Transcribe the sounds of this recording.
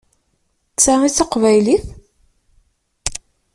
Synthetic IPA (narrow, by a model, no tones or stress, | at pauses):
t͡sːæiθɑqvæjliθ